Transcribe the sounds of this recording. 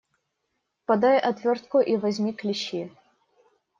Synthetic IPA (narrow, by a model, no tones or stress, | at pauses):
pɐd̪ajʔɐt̪vʲort̪̚kʊʔivɐzʲmʲiklʲɪɕːi